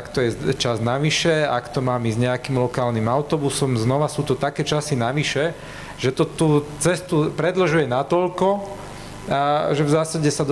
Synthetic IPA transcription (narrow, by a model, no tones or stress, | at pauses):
akt̪ɔjɛt͡ʃaznaʋiʃɛa̰kt̪ɔmaːmizɲɛakiːmlɔkaːlnimaʊt̪ɔbusɔmznɔʋasuːt̪ɔt̪akɛːt͡ʃasinaʋiʃɛ | ʒ̥ɛt̪ɔt̪uːt͡sɛst̪upɾɛd̪lɔʒujɛnat̪ɔʎkɔ | ʒɛvzaːsaɟɛsad̪